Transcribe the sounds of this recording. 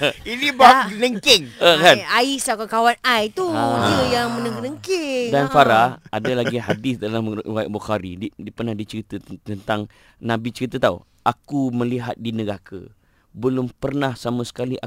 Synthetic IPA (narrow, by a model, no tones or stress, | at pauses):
inibakənəŋkɪŋəkanaisakakawanajt̪uaiujaŋmənəkənəŋkɪŋdanfaɾahadalaɡiɦadɪsdalamwajaʔbuxaɾiidipərnahdit͡ʃəɾit̪ət̪ənt̪aŋ | nãbit͡ʃəɾit̪ət̪aṵ | ʔakumə̃liɦa̰t̪̚dinə̃ɡakʰə̰ | bəlʊmpərnahsamãsə̥kaliʔa̰